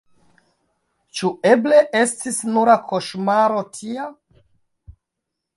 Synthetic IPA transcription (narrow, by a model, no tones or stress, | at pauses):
t͡ʃue̞ble̞ʔestisnuɾakʰoʃmaɾo̞tʰia